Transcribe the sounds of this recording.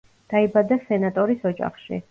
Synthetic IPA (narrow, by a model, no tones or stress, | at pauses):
d̪̥aibad̪asɛnat̪ʼɔɾisɔd͡ʒa̰χʃḭ